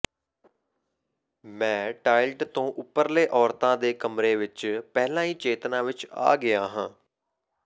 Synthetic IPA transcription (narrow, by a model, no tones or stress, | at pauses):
mɛ̃ːʈaːɪlʈt̪õːʔʊpːəɾleːʔɔːɾt̪ãːd̪eːkəmɾeːʋɪt͡ʃpɛɦlãːiːt͡ʃeːt̪nãːʋɪt͡ʃa̰ːɡɪaːɦãː